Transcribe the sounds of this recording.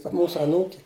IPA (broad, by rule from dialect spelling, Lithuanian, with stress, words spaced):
tɐ ˈmuːsʊ ɐˈnuːkʲɪ